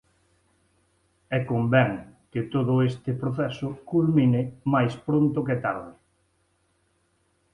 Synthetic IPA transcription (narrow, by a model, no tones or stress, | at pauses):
ɛkombɛŋkɪt̪oðʊest̪ɪpɾoθɛsʊkulminɪmajspɾont̪ʊket̪aɾðɪ